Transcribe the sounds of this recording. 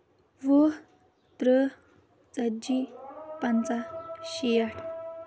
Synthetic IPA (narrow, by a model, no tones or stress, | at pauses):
ʋə | t̪ɾə | t͡səd͡ʑipant͡saɕijaʈʰ